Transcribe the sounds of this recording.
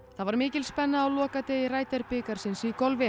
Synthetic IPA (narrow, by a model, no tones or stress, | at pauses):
θaðvaɾmɪːcɪlspɛnːaːwlɔːkat̪eːjɪraːjt̪ɛɾpɪkaɾ̥sɪnsikɔlvɪ